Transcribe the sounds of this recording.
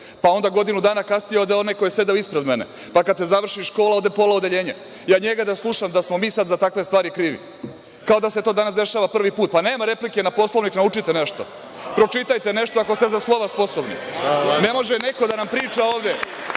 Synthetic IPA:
pao̞nd̪aɡo̞d̪inud̪aːnakast̪ijod̪eo̞najko̞jese̞d̪eoispɾe̞d̪mene | pakad̪se̞zaʋr̩ʃiʃko̞ːlao̞d̪epo̞laod̪eʎe̞ːɲe | jaːɲeɡad̪aslˠuʃamd̪asmo̞miːsad̪zat̪akʋe̞st̪ʋaːɾikɾiːʋḭ | kao̞d̪ase̞t̪o̞ːd̪anasd̪e̞ʃaːʋapr̩ʋipuːt̪̚pane̞ːmaɾe̞plikenapo̞slˠo̞ʋniknaut͡ʃit̪ene̞ʃt̪o̞̰ | pɾo̞t͡ʃit̪ajt̪e̞ne̞ʃt̪oakost̪e̞zaslˠoʋaspo̞sobnḭne̞mo̞ʒene̞ko̞d̪anampɾiːt͡ʃao̞ːʋd̪e

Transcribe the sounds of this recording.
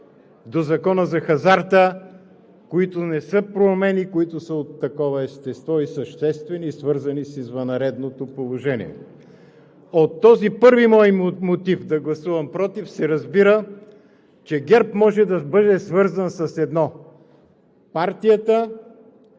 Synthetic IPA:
d̪ozɐkɔnəzɐxɐzaɾt̪ə | koit̪ʊnɛsɤpɾomɛnikoit̪ʊsəot̪ːɐkɔvəɛst̪ɛst̪vɔisəʃt̪ɛst̪vɛniːsvɤɾzɐnisizvɐnɐɾɛd̪not̪opolˠoʒɛnḭɛ̰ | ot̪ːɔzipɤɾvimɔjmot̪ifd̪ɐɡlˠɐsuvɐmpɾɔt̪ifsɛɾɐzbiɾə | t͡ʃɛɡɛɾpmɔʒɛd̪ɐbɤd̪ɛsvɤɾzənsɐsɛd̪nɔ | paɾt̪ijət̪ə

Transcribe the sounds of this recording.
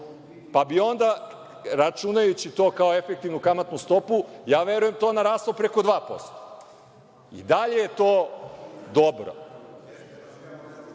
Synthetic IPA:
pabio̞nd̪a | ɾat͡ʃunajut͡ɕit̪o̞ːkaoefek̚t̪iʋnukamat̪nust̪o̞pujaːʋe̞ɾuje̞mt̪onaɾaːst̪lˠopɾe̞ko̞d̪ʋaːpo̞̰st̪o̥ | ḭd̪aʎe̞jet̪oː | d̪obɾo̰

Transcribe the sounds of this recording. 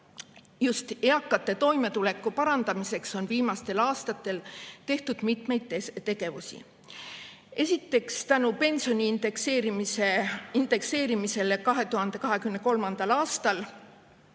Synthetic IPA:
just̪eɑkːˑɑt̪ːˑe̞t̪o̞jme̞t̪ule̞kːˑupɑɾɑnd̪̥ɑmise̞kso̞nviːmɑst̪e̞lɑːst̪ɑt̪ːˑe̞lt̪e̞ht̪ud̪̥mit̪me̞jd̪̥et̪ːe̞ɡe̞vusḭ | e̞sʲit̪ːe̞kst̪ænupe̞nʲsio̞nʲiːnd̪ekseːɾimiseind̪̥e̞kse̞ːɾimise̞lekɑɦe̞t̪uhɑnd̪̥e̞kɑɦe̞kymne̞ko̞lmɑnd̪ɑlɑːst̪ɑl

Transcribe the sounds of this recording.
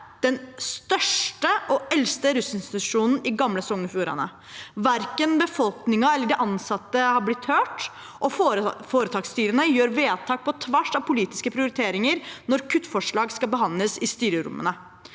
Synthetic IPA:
d̪̥ɛnst̪œʂʈəʔɔɛlst̪əɾʉsɪnst̪ɪt̪ʉʂuːnn̩ɪɡɑmləsɔŋnəfuːɾɑ̰nə̰ | ʋæɾkənbəfɔlknɪŋɑɛlːəɖɛʔɑnsɑt̪ːəhɑɾblɪt̪høːʈ | ʔɔffoːɾət̪ʰɑːkst̪yːɾənəjøːɾʋeːt̪ʰɑːk̚pɔt̪ʰʋæʂɑʋpʰʊliːt̪ɪ̥skəpʰɾɪʊɾɪt̪ʰeːɾɪŋəɾnɔɾkʰʉt̪ːfɔʂɭɑːɡskɑbəɦɑnləsɪst̪yːɾəɾʊ̰mːə̰nə

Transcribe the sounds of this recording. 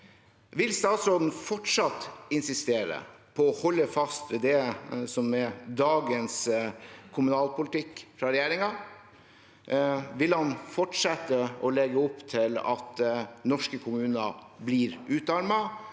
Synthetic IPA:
ʋɪlst̪ɑːt̪sɾoːd̪n̩fɔʈʂɑt̪ɪnsɪst̪eːɾə̰pʰɔːhɔlːəfɑst̪ɛd̪ɛsɔmɛd̪ɑːɡəns | kʰʊmʉnɑːlpʊlɪt̪ʰɪkːfɾɑɾɛjeːɾɪŋɑ | ʋɪlhɑnfɔʈʂɛt̪ːəɔlɛɡəɔpːt̪ʰɪlɑ̰t̪nɔʂkəkʰʊmʉːnəbliːɾʉːt̪ɑɾmɑ

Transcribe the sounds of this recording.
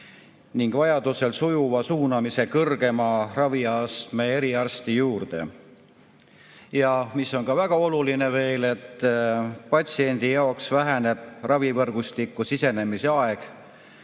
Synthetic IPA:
niŋɡ̥vɑjɑd̪̥use̞lsujuvɑsuːnɑmise̞kɤrɡ̥e̞mɑrɑviɑst̪me̞eɾiɑrst̪ijuːrd̪̥e̞̰ | jɑmisːo̞nkɑvæɡ̥ɑo̞luline̞ve̞ːle̞t̪ː | pɑt̪sie̞nʲd̪̥ijɑoksvæɦæne̞b̥rɑvivɤrɡ̥ust̪ikːˑusise̞ne̞miseɑe̞ɡ̥

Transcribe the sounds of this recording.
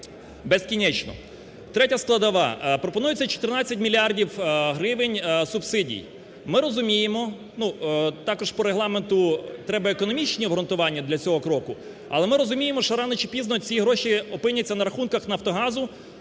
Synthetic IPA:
beskʲinʲɛt͡ʃnɔ̰ | t̪ɾɛtʲɐsklˠɐd̪ɐʋɑ̰pɾɔpɔnujet͡sʲːɐt͡ʃɔ̥t̪ɪrnɑt͡sʲːɐtʲmʲilʲiɑrdʲiwɦɾɪʋɪnʲsʊbsɪdʲḭj | mɪɾɔzʊmʲijemɔ | nut̪ɑkɔʒpɔɾeɦlˠɑment̪ʊt̪ɾɛbɐekɔnɔmʲit͡ʃnʲiɔɦɾɔnt̪ʊʋɑnʲːɐd̪lʲɐt͡sʲɔɦɔkɾɔkʊ | ɐ̰lˠɛmɪɾɔzʊmʲijemɔʃɔɾɑnet͡ʃipʲiznɔt͡sʲijiɦɾɔʃiɔpɪnʲjɐt͡sʲːɐnɐɾɐxunkɐxnɐft̪ɔɦɑzʊ

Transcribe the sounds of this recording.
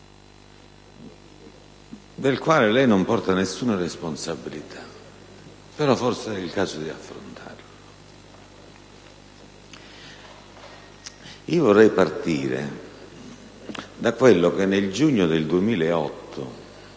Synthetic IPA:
d̪elkwaːlɪlɛjnʊmpɔrt̪anesːuːnaresponsabilit̪ʰa | peɾɔfɔrsɛilkaːzʊd̪iafːɾo̰nt̪ʰa̰rlʊ | iːovɔrːɛjpart̪ḭːɾɪ̰ | d̪akwelːʊkenːeld͡ʒuɲːʊd̪eld̪uemiːleɛɔ̰t̪ʰːʊ̰

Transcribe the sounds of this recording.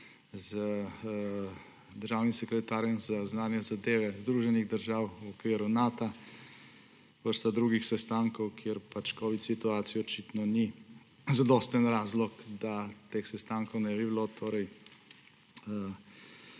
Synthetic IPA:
zə | d̪əɾʒaːwnimsɛkɾɛt̪aːɾjɛmzaznaːnjɛzad̪eːʋɛzd̪ɾuːʒɛniɣd̪əɾʒaːwɔkʋiːɾunaːt̪a | ʋəɾst̪ad̪ɾuːɡixsɛst̪aːŋkɔwkʰjeɾpat͡ʃkɔːʋit̪sit̪uaːt̪sijɔt͡ʃit̪nɔni | zad̪ɔst̪ənɾaːzlɔkd̪at̪eːxsɛst̪aːŋkɔwnɛbiblot̪ʰoːɾɛj | ə

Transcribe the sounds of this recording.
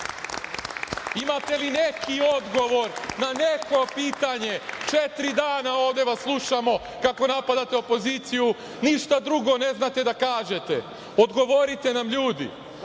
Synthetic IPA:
imat̪e̞linekio̞d̪ɡo̞ʋo̞ɾnane̞ko̞piːt̪aɲe̞t͡ʃe̞t̪ɾid̪aːnao̞ːʋd̪jeʋaslˠuʃamo̞ | kako̞napad̪at̪eo̞po̞ziːt̪siju | niʃt̪ad̪ɾuɡo̞ne̞znat̪e̞d̪akaːʒe̞t̪e | od̪ɡo̞ʋo̞ɾit̪e̞namʎuːd̪ḭ

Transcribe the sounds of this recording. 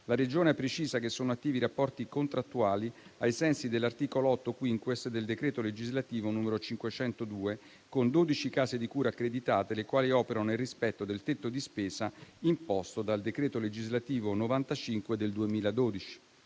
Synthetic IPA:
laɾed͡ʒoːneɛpːɾet͡ʃiːzakesːoːnoat̪ːiːviɾapːɔrt̪ikont̪ɾat̪ːuaːliajsɛnsid̪elːart̪iːkoloɔt̪ːokwiŋkwesd̪eld̪ekɾeːt̪oled͡ʒizlat̪iːvonuːmeɾot͡ʃiŋkwet͡ʃɛnt̪od̪uːe | kond̪oːd̪it͡ʃikaːzed̪ikuːɾaːkːɾed̪it̪aːt̪elekwaːliɔːpeɾanoilrispɛt̪ːod̪elt̪et̪ːod̪ispeːzaimpɔst̪od̪ald̪ekɾeːt̪oled͡ʒizlat̪iːvonovant̪at͡ʃiŋkwed̪eld̪uemiːlad̪oːd̪it͡ʃi̥

